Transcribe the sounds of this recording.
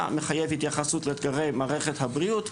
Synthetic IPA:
meχajevhit̪jaχasutleːt̪ɡaʁe̞jmaːʁe̞χethabʁiut

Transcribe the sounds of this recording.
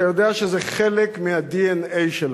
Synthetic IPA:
ajod̪eaʃezeχelekmihad̪ienejʃel

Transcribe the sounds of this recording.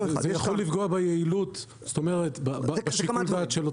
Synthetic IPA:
zejaχolːifɡoabejeilut | st̪o̞meʁetbabbeʃikulzatʃelo

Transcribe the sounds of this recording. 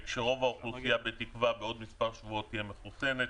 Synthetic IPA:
kʃeʁo̞vaoχlusijabet̪ikvabeo̞d̪mispaʁʃvuo̞t̪ijemeχusenet

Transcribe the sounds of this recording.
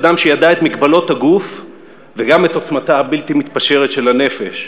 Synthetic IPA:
d̪amʃejad̪aet̪mikbalo̞t̪haɡuf | veɡame̞t̪ot͡smat̪aabilt̪imit̪paʃeʁet̪ʃe̞lane̞fe̞ʃ

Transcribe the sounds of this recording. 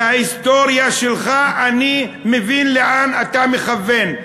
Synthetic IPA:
aist̪o̞ɾjaʃelχaʔanimevinleʔanat̪ameχave̞n

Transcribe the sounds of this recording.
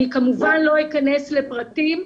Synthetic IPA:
ikamuvanlo̞ikane̞sle̞pʁatim

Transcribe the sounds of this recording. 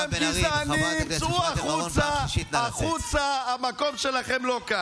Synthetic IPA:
emkizanit͡suaχut͡saːχut͡saamako̞mʃe̞laχemlo̞ka

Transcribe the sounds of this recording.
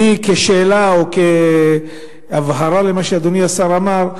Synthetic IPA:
ikeʃeːlaoke | avɦaɾale̞maʃead̪oniasaɾamaʁ

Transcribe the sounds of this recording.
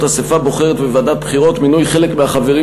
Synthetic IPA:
tasefabo̞χe̞ʁet̪bevadat̚bχiʁo̞t̪minujχe̞le̞kmeaχave̞ʁi

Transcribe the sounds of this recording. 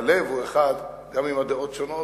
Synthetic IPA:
levueχad̪ | ɡamimad̪eo̞t̪ʃono

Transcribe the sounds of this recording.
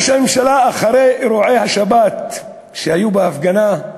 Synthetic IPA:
ʃamemʃalaːχaʁeɾuʕe̞jhaʃabat̪ | ʃehajubeafɡana

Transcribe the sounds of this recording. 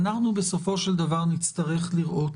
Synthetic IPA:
naχnubɪsofoʃldavaʁnɪt͡staʁɛχlɪʁo

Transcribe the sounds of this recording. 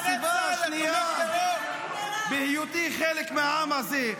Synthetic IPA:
sibaaʃnia | behijut̪iχelekmeaamhaze

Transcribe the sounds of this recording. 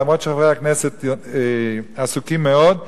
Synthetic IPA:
amʁod̪ʃaχaʁejhakneset̪easukimːeod̪

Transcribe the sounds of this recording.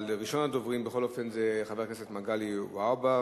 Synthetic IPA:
lʁiʃo̞nado̞vʁimbexχo̞lo̞fe̞nzeχave̞knesetmaɡaliwaba

